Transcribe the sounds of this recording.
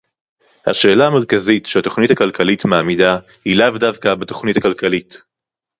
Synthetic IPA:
ha̰ʃe̞ːlaːmeʁkazitʃeato̞χnithakalkʰalitmaamida | hilavdavkabeto̞χnithakalkalit

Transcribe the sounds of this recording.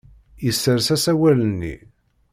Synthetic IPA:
jəsːəɾsæsæwælənːḭ

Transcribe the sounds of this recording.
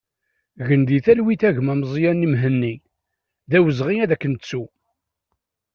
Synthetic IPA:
ɣənd̪iθælwiθæʝmæmzˤjænːimɦənːi | ðæwəzʁiæðækːənt͡sːu

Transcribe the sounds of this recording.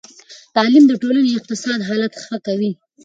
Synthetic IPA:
t̪ɑlimd̪əʈolaneɪq̚t̪ɪsɑd̪ɦɑlat̪xəkawi

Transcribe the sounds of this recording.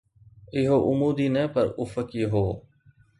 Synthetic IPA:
ɪɦoʔʊmuːd̪iːnɛːpəɾʊfəkiːɦoː

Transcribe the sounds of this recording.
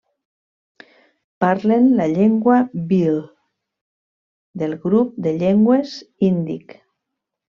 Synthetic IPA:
paɾlenlaʎeŋɡwabil | d̪elɣɾup̚d̪eʎeŋɡwezind̪ḭk

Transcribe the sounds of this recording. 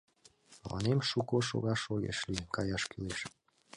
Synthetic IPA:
mɑ̰nemʃukoʃo̰ɣɑʃoɣḛʃlikɑjɑʃkyleʃ

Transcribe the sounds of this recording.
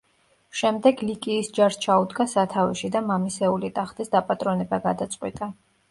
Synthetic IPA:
ʃɛmd̪ɛɡlikʼiːsd͡ʒaɾst͡ʃʰaud̪ɡasat̪ʰavɛʃid̪amamisɛulit̪ʼaχt̪ʼisd̪apʼat̪ʼɾɔnɛbaɡad̪at̪sʼqʼwḭt̪ʼa

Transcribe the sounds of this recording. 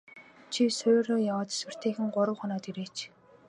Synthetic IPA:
t͡ɕʰisʊːɾoːjawaːt̪e̥swɘ̆r̥t̪ʰeːxɘ̆ŋɢʊɾə̆wχɔnɔːt̪iɾeːt͡ɕʰ

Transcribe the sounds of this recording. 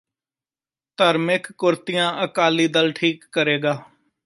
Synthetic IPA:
t̪əɾmɪkːʊɾt̪ɪjãːʔəkaːliːd̪əlʈʰiːkːəɾeːɡaː

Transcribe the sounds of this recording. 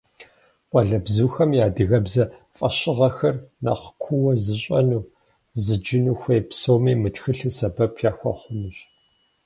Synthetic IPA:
qʷʼɔɮɐbzuːxɐmjaːdɨɣɐbzɐfʼɐɕɪʁɐxɐrna̰qkʷʰʊwɐzɨɕʼɐnuː | zɨd͡ʒɪnuːxʷɐjpsoːmeːmɨtxɨɬɨsɐbɐpʰjaːxʷɐ̰χʷʊmɨɕʼ

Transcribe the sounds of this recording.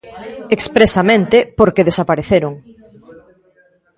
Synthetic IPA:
ekspɾesamẽnt̪ɪpoɾkeðesapaɾeθeɾoŋ

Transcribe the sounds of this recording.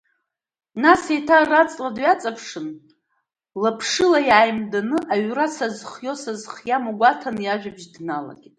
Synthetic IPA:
nasetʰarat͡sʼladɥat͡sʼapʰʂɨn | lapʰʂɨlajaːjmdanɨʔaɥrasazχjo̞sazχjamaɡʷatʰanjaʒᶣabʒdnala̰ɡʲitʼ

